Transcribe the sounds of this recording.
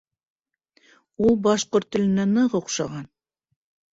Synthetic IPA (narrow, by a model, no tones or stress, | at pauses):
ulˠbɑʃqoɾt̪ːɘ̆lɘ̆nænɤʁooqʃɑʁɑn